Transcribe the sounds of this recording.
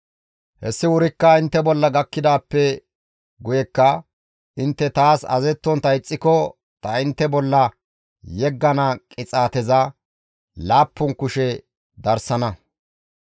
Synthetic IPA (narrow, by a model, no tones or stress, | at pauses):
hɛsːɪwʊɾɪkːɐɪnt̪ːɛbɔlːɐɡɐkːɪd̪aːpːɛ | ɡʊjɛkːɐ | ɪnt̪ːɛt̪aːsɐ̰zɛt̪ːɔnt̪ɐɪt͡sʼːɪkɔ | t̪ɐɪnt̪ːɛbɔlːɐ | jɛɡːɐnɐkʼɪt͡sʼaːt̪ɛzɐ | laːpːʊnkʊʃɛ | d̪ɐɾsɐnɐ